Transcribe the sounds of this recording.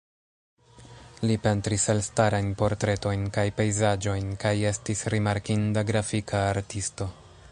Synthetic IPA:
lipe̞ntɾiselstaɾajnpo̞ɾtɾe̞to̞jnkajpe̞jzad͡ʒo̞jnkaje̞stisɾimaɾkindaɡɾafikʰaːɾtisto̞

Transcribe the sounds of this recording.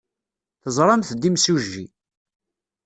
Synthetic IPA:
θəzˤɾˤɑmθd̪imsuʒːi

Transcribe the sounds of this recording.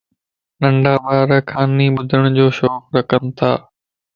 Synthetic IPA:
nɐ̃ɳɖaːbaːɾəkʰaːniɓʊd̪ʱəɽ̃d͡ʑoːʃɔːxɾɐkʰənɪ̆t̪ʰaː

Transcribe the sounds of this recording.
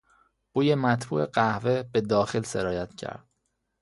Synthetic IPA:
b̥uːjemæt̪ʰbṵːʔeɢæhvebe̞d̪ɒːxelse̞ɾɒːjæt̪cʰæ̰ɾd̪̥

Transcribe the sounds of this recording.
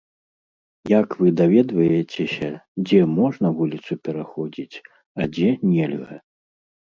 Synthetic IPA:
jakvɨd̪avʲɛd̪vɐjɛt͡sʲesʲɐd͡zʲɛmɔʐnɐvulʲit̪supʲɛɾaxɔd͡zʲit͡sʲ | ɐd͡zʲɛnʲɛlʲɣɐ̰

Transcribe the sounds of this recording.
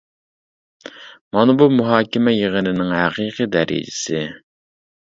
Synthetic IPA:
mɑnbumuɦɑːkʲɪmɛjeʁənɪnɪŋhæqʰiːqid̪ɛɾɪ̰d͡ʒɪ̥sɪ

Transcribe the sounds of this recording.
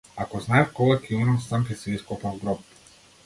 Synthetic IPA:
akɔznaɛfkɔɡakʲiunamsamkʲɛsiiskɔpavɡɾɔp

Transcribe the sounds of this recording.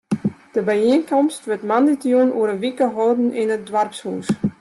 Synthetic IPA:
d̥əbəinkɔmstʋɪtmanditjunuəɾəʋikəɦɔːdn̩ʔɪnət̚dwarpshuːs

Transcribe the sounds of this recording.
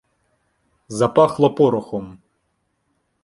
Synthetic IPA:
zɐpɑxlˠɐpɔɾʊxɔm

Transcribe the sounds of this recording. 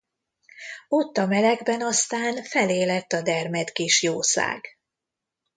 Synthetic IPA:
o̞t̪ːɒmɛlɛɡbɛnɒst̪aːnfɛleːlɛt̪ːɒd̪ɛrmɛt̪kiʃjoːsa̰ːɡ̥

